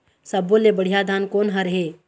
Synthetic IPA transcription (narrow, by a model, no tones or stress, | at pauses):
səbolebəɽ̤ijad̪ʱaːnkoːnɦɐɾəɦeː